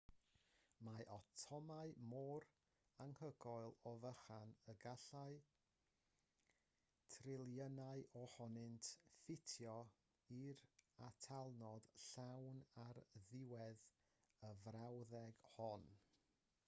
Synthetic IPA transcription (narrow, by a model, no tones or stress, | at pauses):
maʔɔtʰɔmaɨmɔːɾ | aŋhəɡɔɨlˠɔvəχanəɡaɬaɨ | tʰrɪlˠjənaɨʔɔhɔnɨntʰfɪtʰjɔ | iɾatʰalˠnɔd̥ɬawnarðɪwɛð | əvrawðɛɡhɔn